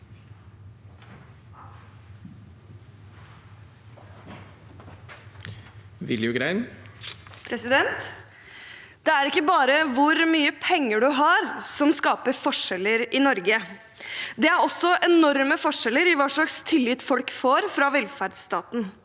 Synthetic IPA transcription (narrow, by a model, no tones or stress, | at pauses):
ʋɪljʉɡɾæɪn | pʰɾɛsɪd̪ɛnt̪ | d̪̥ɛæɾɪkːəbɑːɾəʋʊɾmyːəpʰɛŋːəɖʉɦɑɾsɔmskɑːpəfɔʂɛləɾɪnɔɾɡə | d̪ɛæɾɔsːɔʔɛnɔɾməfɔʂɛləɾɪʋɑːʂɭɑkst̪ʰɪlːɪt̪ːfɔlkfoːɾfɾɑʋɛlfæɖst̪ɑːt̪n̩